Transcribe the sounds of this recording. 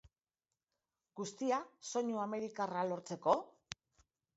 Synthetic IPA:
ɡ̥ust̪iaso̞ɲuame̞ɾikaralo̞ɾt͡se̞ko̞

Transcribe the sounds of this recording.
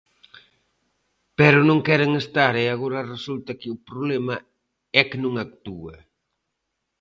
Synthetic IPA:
pɛɾʊnõŋkɛɾeŋest̪aɾeaɣoɾɐresult̪ɐkɪʊpɾoβlemɐ | ɛkenõŋak̚t̪uɐ

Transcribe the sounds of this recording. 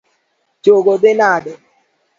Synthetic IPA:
t͡ʃoɡod̪ɪnaɖɛ

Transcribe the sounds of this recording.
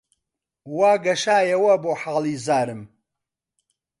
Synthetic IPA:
waːɡɐʃaːjɐwɐboːħaːlˠiːzaːɾɨm

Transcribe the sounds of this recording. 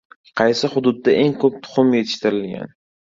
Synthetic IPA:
qʰɑjsɪhʊd̪ʊd̪̚ːaʔe̞ŋkʰɵp̚t̪ʰʊ̥χʊmje̞t̪ʰɪʃt̪ɪɾɪlɡʲa̰n

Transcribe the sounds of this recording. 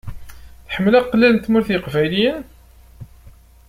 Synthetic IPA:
θħəmːəlæqːlːælnt̪ːmʊɾθiqvæjlijən

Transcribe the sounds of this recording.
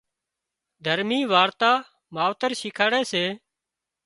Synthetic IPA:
d̪ʱəɾmiːʋaːɾt̪aː | maːʋt̪əɾʃɪkʰaːɽɛːseː

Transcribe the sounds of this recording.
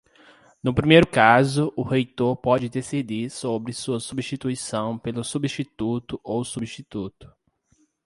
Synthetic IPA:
nʊpɾimejɾʊkazʊʔʊhejt̪oɾpɔd͡ʒɪd̪esid̪iɾsobɾɪsuɐsubiʃt͡ʃit̪uisɐ̃w̃pelʊsubiʃt͡ʃit̪ut̪ʊʔowsubiʃt͡ʃit̪ut̪ʊ̥

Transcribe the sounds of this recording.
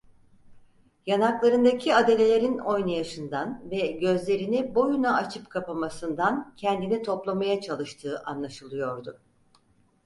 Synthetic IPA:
janaklˠaɾɯnd̪acʰiad̪e̞lʲe̞lʲe̞ɾino̞jnajaʃɯnd̪anvɛɟø̞zlʲe̞ɾinibo̞junaat͡ʃʰɯpkʰapamasɯnd̪ancʰɛnd̪init̪ʰo̞plˠamajat͡ʃʰalˠɯʃt̪ʰɯːʔanlˠaʃɯlˠɯjo̞ɾd̪ʊ

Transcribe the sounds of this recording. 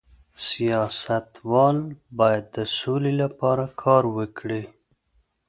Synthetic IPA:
sijɑsat̪wɑlbɑjad̪ːəsolelapɑɾakʰɑɾwəkʰɽi

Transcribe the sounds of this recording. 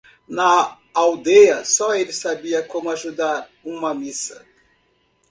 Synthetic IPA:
nɐ | awd̪ejɐsɔelɪsabiɐkõmʊaʒud̪aɾũmɐmisɐ

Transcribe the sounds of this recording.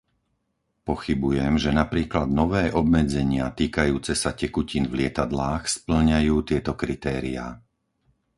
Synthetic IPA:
pɔxibujɛmʒɛnapɾiːklad̪nɔʋɛːʔɔb̚mɛd͡zɛɲɪa̰t̪iːkajuːt͡sɛsacɛkuciːnvlɪɛt̪ad̪laːxspl̩ɲajuːt̪ɪɛt̪ɔkɾit̪ɛːɾḭa̰ː

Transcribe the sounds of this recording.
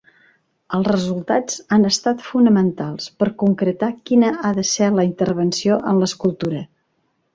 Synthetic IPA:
əlˠzrəzulˠt̪ad͡zanəst̪at̪funəmənt̪alˠspəɾkuŋkɾət̪akinəaðəsɛləint̪əɾβ̞ənsioʔənləskulˠt̪uɾə

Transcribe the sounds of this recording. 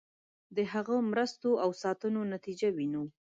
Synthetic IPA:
d̪əɦaɣəmɾəst̪oʔawsɑt̪ənonat̪id͡ʒawinu

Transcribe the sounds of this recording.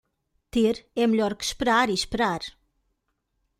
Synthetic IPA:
t̪eɾɛmɨʎɔɾkɨ̥ʃpɨɾaɾiʃpɨɾaɾ

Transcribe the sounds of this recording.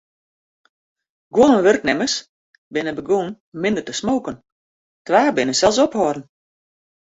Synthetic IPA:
ɡwoənənʋørknɛməs | bɪnəbəɡuːn | mɪnd̪ərtəsmoːkən | tʋaːbɪnəsɛlˠs̬ɔphɔːrn̩

